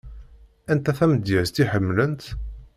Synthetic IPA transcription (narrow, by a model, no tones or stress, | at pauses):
ænt̪æθæməd̪jæzt̪iħəmːlənt̪